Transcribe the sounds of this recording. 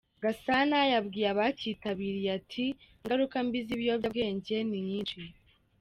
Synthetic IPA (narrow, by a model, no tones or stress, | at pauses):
ɡasanajabɡiːɾaβaciːtaβiːɾiatʰiŋɡaɾukambiziβjobabɡe̞ːɲɟe̞niɲiːnʃi